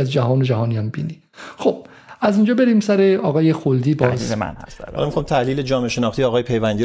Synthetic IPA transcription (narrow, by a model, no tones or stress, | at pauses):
æzd͡ʒæɦɒːned͡ʒæɦɒːniːæmbḭːni | xob̥ | æzind͡ʒɒːbeɾiːmsæɾe̞ɒːɣɒːjexold̪iːbɒːz̰emæ̰nhæ̰st̪ɑ̰lɒmixɑmt̪ʰæhliːled͡ʒɒːmeʃenɒːxt̪iːɒːɣɒːjepʰejvænd̪i